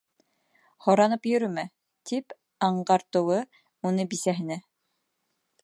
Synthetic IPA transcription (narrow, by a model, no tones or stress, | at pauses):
χɔɾanɯpjɵɾymɛ | t̪ʰip | aɴɢɑɾt̪uwɯ | unubisɛɦɘ̆nɛ